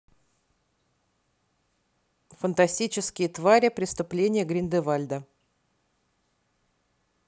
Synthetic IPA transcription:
fənt̪ɐsʲtʲit͡ɕɪskʲɪjət̪vaɾʲɪpɾʲɪst̪ʊplʲenʲɪjəɡɾʲɪnd̪ɨvalʲd̪ə

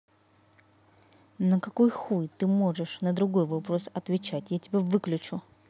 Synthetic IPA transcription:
nəkɐkojxujt̪ɨmo̞ʐɨʂnəd̪ɾʊɡo̞jvɐpɾo̞sɐt̪vʲɪt͡ɕætʲjatʲɪbʲevɨklʲʊt͡ɕʊ

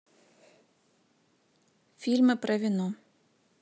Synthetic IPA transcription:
fʲilʲmɨpɾɐʋʲinu

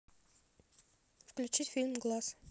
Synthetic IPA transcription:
fklʲut͡ʃit̪fʲilʲmɡlˠas

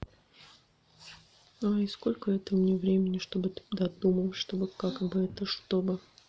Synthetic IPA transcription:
aisko̞lʲkəɛt̪əmnʲevɾʲemʲɪnʲːɪʂt̪o̞bɨd̪ɐd̪uməlˠʂt̪o̞bɨkakbɨɛt̪əʂt̪o̞bɨ

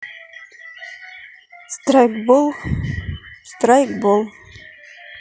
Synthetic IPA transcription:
st̪ɾajkbol | st̪ɾajkbolˠ

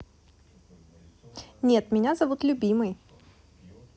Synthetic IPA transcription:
nʲe̞t̪mʲɪnʲazɐvut̪lʲʊbʲimɨj

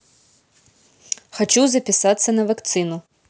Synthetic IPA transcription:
xɐt͡ʃuzɐpʲɪsat̪sːɐnɐvɐkt̪sɨnʊ

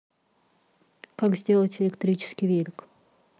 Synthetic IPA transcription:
kakzʲdʲelˠətʲɪlʲɪkt̪ɾʲit͡ɕɪ̥skʲɪjvʲelʲɪk

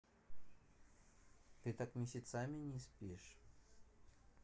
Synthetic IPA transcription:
t̪ɨt̪akmʲɪsʲɪt̪samʲinʲispʲiʂ

